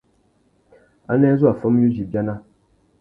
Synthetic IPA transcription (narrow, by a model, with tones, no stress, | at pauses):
a̰˦nɛ˦zu˦a˨fə˦m˦ju˦d͡ʒi˨bja˦na˦